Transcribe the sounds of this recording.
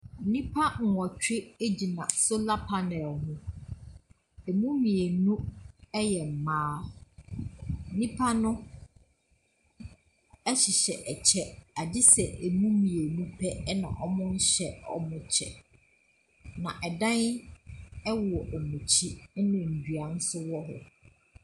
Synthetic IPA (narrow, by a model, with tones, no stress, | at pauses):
n̩˦nĩ˦pʰa˦ŋ̩˨ɔ˨t͡ɕᶣe˦e˦d͡ʑi˨nã˨sʊ˦la˦pʰa˦nɛ˨lhʊ̃˦ | ɛ˨mũ˦mĩ˨e˨nũ˦ɛ˦jɛ˨m̩˨mãː˦ | n̩˨nĩ˦pʰa˦nʊ̃˦ | ɛ˦ɕɪ˨ɕɛ˨ʔɛ˨t͡ɕʰɛ˦a˨dɪ˦sɛ˨ʔe˨mũ˦mĩ˨e˨nũ˦pʰɛ˦nã̰˨ʔɔ˦mʊ̃˦n̩˦ɕɛ˨ɔ̰˦mʊ̃˨t͡ɕʰɛ̰˨ | nã̰˨ʔɛ˨dã˦n | ɛ˦wɔ˨ʔɔ˨mũ˨t͡ɕʰi˦nʊ̃˨n̩˨dɥa˨n̩˦sʊ˦wɔ˦ɦʊ̰˨